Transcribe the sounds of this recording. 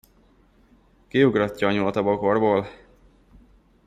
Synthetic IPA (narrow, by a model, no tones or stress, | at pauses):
kiuɡrɒcːɒːɲult̪ɒboko̞rboːl